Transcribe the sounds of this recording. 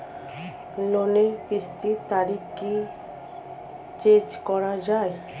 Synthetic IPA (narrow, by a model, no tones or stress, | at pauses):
lonekɾist̪it̪aɾiki | t͡ɕed͡ʑkɔɾad͡ʑae